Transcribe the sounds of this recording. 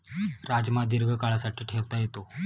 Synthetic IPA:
ɾad͡zmad̪iɾɡʱəkaɭasaʈiːʈʰeʋt̪ajet̪o

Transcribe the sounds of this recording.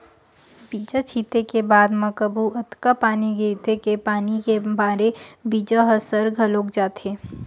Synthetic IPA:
biːd͡ʒat͡ʃʰiːt̪ekebaːd̪mɐkəbuɐt̪kapaːniɡeɾit̪ekepaːnikebaːɾebiːd͡ʒaɦɐsəɾɡʱɐloːkd͡ʒaːt̪eː

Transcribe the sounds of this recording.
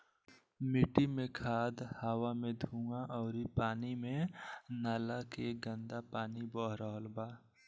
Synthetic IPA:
mɪʈimẽkʰaːd̪haːwamẽd̪ʱũːŋɡaʔɔːɾipaːnimẽnaːlakeɡə̃nd̪apaːnibɔːɦɾəɦəlbaː

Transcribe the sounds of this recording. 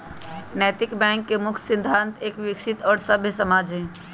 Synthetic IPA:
nɛːt̪ɪkbɛ̃ːŋkːemʊkʰsɪ̃nd̪ʱãnt̪ʰeːkʋɪkʃɪt̪ɔːɾsəbʱjəsəmaːd͡ʒʱɦɛ̃

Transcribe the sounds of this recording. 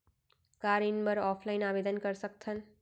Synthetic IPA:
kaɾinbəɾɔpʰlaɪnabed̪ənkəɾsək̚t̪ʰən

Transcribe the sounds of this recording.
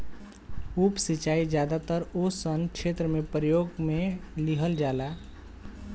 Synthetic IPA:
upsit͡ʃaːid͡ʒjaːd̪at̪əɾosənkʃeːt̪ɾəmẽpɾəjoːɡmẽliɦəld͡ʒaːla

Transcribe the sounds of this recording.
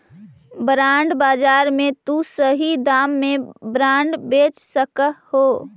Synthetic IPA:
bɾaːɳɖbaːd͡ʒaːɾmẽt̪usəɦid̪aːmːebɾãːɳɖbet͡ʃsəkəhoː

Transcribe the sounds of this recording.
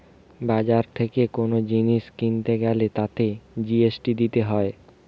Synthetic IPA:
bad͡ʑaɾt̪ʰekekonod͡ʑiniʃkint̪eɡɛlet̪at̪ed͡ʑiesʈid̪it̪eɦɔe

